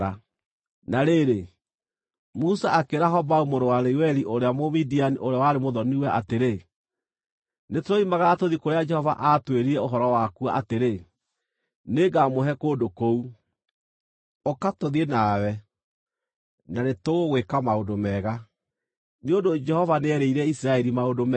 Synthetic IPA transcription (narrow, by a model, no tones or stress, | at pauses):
a | naɾeɾe | musaakeɾaɦɔbaumoɾowaɾeiwɛɾiʔoɾeamomidianiʔoɾeawaɾemoðɔniwɛʔateɾe | netoɾoimaɣaːtoðikoɾead͡ʒɛhɔva̰ʔatweɾiɾɛoɦɔɾɔwakua̰ʔateɾe | neɡamoɦɛkoːdokou | okatoðenawɛ | nanetoɣoɣwekamaondomɛːɣa | neondod͡ʒɛhɔvaneɛɾeiɾɛisiɾaɛɾimaodomɛ